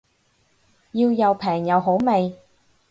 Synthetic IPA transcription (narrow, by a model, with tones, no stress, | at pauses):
jiː˧wjɐ˨˧wpʰɛː˨˩ŋjɐ˨˧wɦo˨˥wme˨j